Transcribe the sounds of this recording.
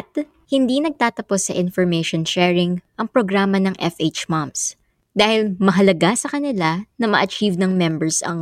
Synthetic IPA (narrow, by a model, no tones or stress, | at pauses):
ɐt̪̚ | hɪnd̪inɐɡ̚t̪aːt̪ɐpo̞sːɐʔɪnfoɹmejʃonʃɛːɹɪŋʔɐŋpɾoɡɾaːmɐnɐŋʔɛfʔet͡ʃmams | d̪aːhɪlmɐɦɐlɐɡasɐkɐnɪlanɐmɐ̰ʔɐt͡ʃivnɐŋmɛmbɛɹsɐ̰ŋ